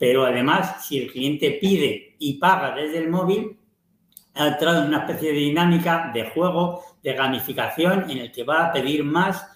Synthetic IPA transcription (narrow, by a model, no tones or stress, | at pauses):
pe̞ɾoaðe̞masːie̞lklie̞nt̪e̞pið̞e̞ipaɣaðe̞zðe̞lmo̞βil | alt̪ɾaðonunaespeθjeðeðinãmikaðe̞xwe̞ɣ̞o̞ðe̞ɣamifikaθjo̞ne̞ne̞lke̞βaːpe̞ðiɾmas